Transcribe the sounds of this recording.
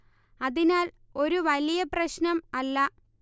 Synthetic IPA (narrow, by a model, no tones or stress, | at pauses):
ɐðinaːl | o̞ɾuʋɐlijɐprɐɕnɐmɐlːɐ